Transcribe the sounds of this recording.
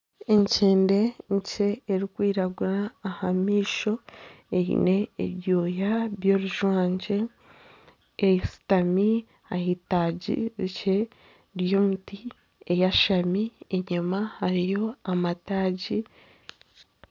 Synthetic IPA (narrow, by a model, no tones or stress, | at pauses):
e̞ɲceːnde̞ɲce̞ːɾikwiːɾaɡuɾaːhamiːʃo̞eḭne̞̰ːβjoːjaβjo̞ːɾuʒwaːɲɟe̞ | jisi̥tami | ahitaɟḭɾice̞ | ɾjo̞muti | ejaʃamieɲumahaɾijo̞amataːɟi